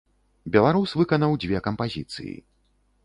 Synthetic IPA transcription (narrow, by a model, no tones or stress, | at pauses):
bʲɛlˠaɾusvɨkɐnɐwd͡zʲvʲɛkɐmpazʲḭt̪sɨ̰jḭ